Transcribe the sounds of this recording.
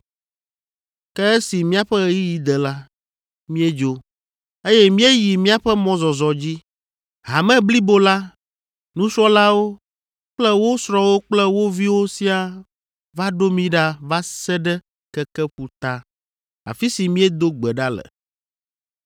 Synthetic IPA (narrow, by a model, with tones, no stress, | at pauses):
kɛ˦e˦si˨mĩ˦a˦ɸɛ˦ɣji˦ji˨d̪ɛ˨la˦ | mĩ˦e˦d͡ʒo˦ | e˦jɛ˦mĩ˦e˦ji˨mĩ˦a˦ɸɛ˦mɔ̃˨zɔ˨zɔ˨d͡ʑi˦ | ɦa˨mɛ̃˦bli˦bo˦la˦ | nũ˦sɾɔ˦la˦wo˦ | k͡plɛ˦wo˦sɾɔ˦wo˦k͡plɛ˦wo˦vi˦wo˦si˦a˨ | va˦ɖo˦mĩ˦ɖa˦va˦sɛ˦ɖɛ˦ | kɛ˦kɛ˦ɸu˨t̪a˦ | a̰˨fi˦si˨mĩ˦ɛ˦d̪o˦ɡ͡bɛ˨ɖa˦lɛ̰˨